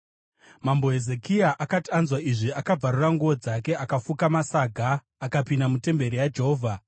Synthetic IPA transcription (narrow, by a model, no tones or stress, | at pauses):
mambo̞ɦe̞ze̞kiaʔakatanzwaiʐiakab͡vʱaruraŋɡuʋo̞d͡zak̬e̞akafukamasaɡʱaː | kapindamute̞mbe̞ɾijad͡ʒe̞ɦoːvʱa